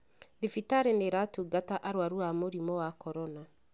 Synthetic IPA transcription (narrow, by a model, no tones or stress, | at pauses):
ðifitaɾeneɾatuɡataʔaɾwaɾuamoɾimɔwakɔɾɔna